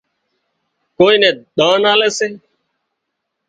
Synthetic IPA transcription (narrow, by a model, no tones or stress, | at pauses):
koːĩːnẽːɗ̪ãːnaːleːseː